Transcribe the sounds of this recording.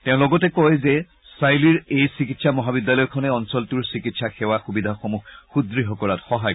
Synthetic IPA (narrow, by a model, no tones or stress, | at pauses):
teʊ̃lɔɡɔtɛkɔjzɛ | sajliɹejsikitsamɔɦabidjalɔjkʰɔnɛɔnsɔltuɹsikitsaxɛwaxubidʱaxomuxxudɹiɦɔkɔlatxɔɦaj